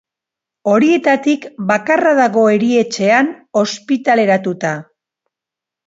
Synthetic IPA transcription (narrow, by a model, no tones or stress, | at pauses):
o̞ɾie̞t̪at̪ikbakaraðaɣo̞e̞ɾie̞t͡ʃe̞ano̞spit̪ale̞ɾat̪ut̪a